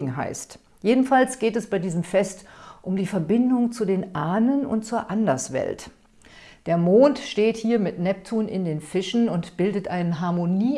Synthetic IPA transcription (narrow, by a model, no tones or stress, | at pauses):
ɡŋ̩ɦa̰ɪst | jeːdn̩falsɡ̥eːtɛsb̥aɪdiːzəmfɛstʔʊmdiːfɛɐbɪndʊŋt͡sudeːnʔaːnənʊ̰ntt͡suːɐʔandɐsv̥ɛ̰lt | d̥eːɐmoːntʃteːthiːɐmɪtnɛp̚tʰuːnɪ̰ndeːnfɪʃn̩ʊntb̥ɪldətʔaɪnənɦaɐmoniː